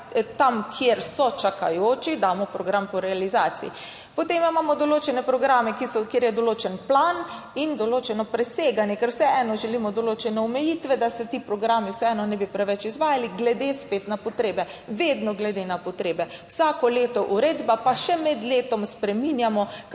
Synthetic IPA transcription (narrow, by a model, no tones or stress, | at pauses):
t̪amkʰjeɾsɔt͡ʃaka̰joːt͡ʃid̪aːmɔpɾɔɡɾampɔɾɛalizaːt̪sḭḭ | pot̪emimaːmɔd̪oloːt͡ʃɛnɛpɾɔɡɾaːmɛkisɔkjeːɾjɛd̪oloːt͡ʃɛnplan | ind̪oloːt͡ʃɛnɔpɾɛseːɡanjɛkɛɾwsɛɛnɔʒɛliːmɔd̪oloːt͡ʃɛnɛɔmɛjiːt̪ʋɛd̪asɛt̪ipɾɔɡɾaːmiwsɛɛːnɔnɛbipɾɛʋɛt͡ʃizʋaːjaliɡlɛd̪espeːt̪napɔt̪ɾeːbɛʋeːd̪nɔɡlɛd̪enapɔt̪ɾeːbɛwsaːkɔleːt̪ɔʔuɾeːd̪bapaʃɛmɛd̪leːt̪ɔmspɾɛminjamɔ